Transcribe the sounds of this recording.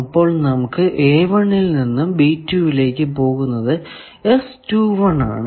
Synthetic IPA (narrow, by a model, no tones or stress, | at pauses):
ɐpːo̞ːɭnɐmukːɨʔeːʋɐɳːilninːumbiːtːjuːʋile̞ːkːɨp̬o̞ːɣunːɐðɨ | e̞stuːʋɐɳa̰ːɳɨ